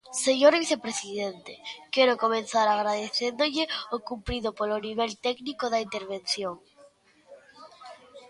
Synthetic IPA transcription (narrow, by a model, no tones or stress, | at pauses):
seɲoɾβiθepɾesiðent̪ekɛɾʊkomẽnθaɾaɣɾaðeθend̪oʎɪokumpɾiðopoloniβ̞ɛlt̪ɛknikoðaint̪eɾβenθjoŋ